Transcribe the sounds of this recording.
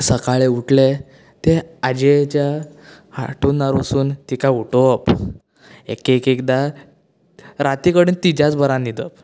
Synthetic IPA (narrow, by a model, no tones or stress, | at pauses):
səkaɭeuʈle | t̪ead͡ʑet͡ɕja | ha̰ʈunːaɾəsuːnt̪ikauʈop | ḛkekekd̪a | ɾat̪ikəɽiːnt̪id͡ʑat͡sbəɾãnid̪əp